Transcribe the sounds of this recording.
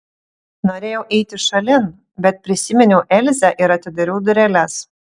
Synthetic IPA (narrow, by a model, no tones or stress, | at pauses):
noːɾʲeːjɛʊʔɛɪt̪ʲɪʃɐlʲɪn | bʲɛt̪̚pʲɾʲɪsʲɪmʲɛnʲɛʊʔɛlʲzʲɛʔɪɾɐt̪ʲɪd̪ɐɾʲɛʊd̪ʊɾʲɛlʲɛs